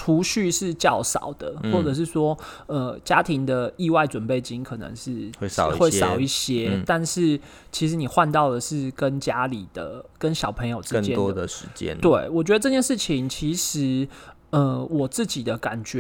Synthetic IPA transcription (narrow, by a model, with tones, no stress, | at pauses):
ʈ͡ʂʰu˧˥ɕy˥˧ʂɻ̩˥˧t͡ɕjɑ˥˩ʊsɑ̰˨˩ʊd̪̥ə˦xwwɔ˥˩ʈ͡ʂɤ˨˩ʂ̬ɻ̩˥˩swɔ˥ | ə˧t͡ɕja˥t̪ʰi˧˥ŋd̪ə˨i˥˧wa˥˩ɪt͡swə˨˩npe˥˩ɪt͡ɕi˥nkʰɤ˨˩nə̰˧˦ŋʂɻ̩˥˩we˥˩˨xwe˥˩ɪsɑ˧˨˦ʊi˥˩ɕjɛ˦˥˩t̪a˥˧nʂɻ̩˥˩ | t͡ɕʰi˧˥ʂɻ̩˧˦ni˨˩xwa˥˧nt̪ɑ˥˩ʊd̪ə˩ʂɻ̩˥˩kə˦˥nt͡ɕja˦˥li˨˩d̪̥ə̰˩kə˦nɕjɑ˨˩ʊpʰə˧˥ŋjo˨ʊʈ͡ʂɻ̩ə˥t͡ɕjɛ˥˨ɔ˦əd̪ə˨ʂɻ̩˧˦t͡ɕjɛ̰˦˥nt̪we˥˩ɪwɔ˨˩t͡ɕɥɛ˧˥d̪ə˧ʈ͡ʂɤ˥˧t͡ɕjɛ˥˧nʂɻ̩˥˩t͡ɕʰi˧˦ŋt͡ɕʰi˧˥ʂɻ̩˧˥ | ə˧˩wɔ˨˩t͡sɹ̩˥˩t͡ɕi˨˩d̪ə˦ka˨˩nt͡ɕɛ˧˦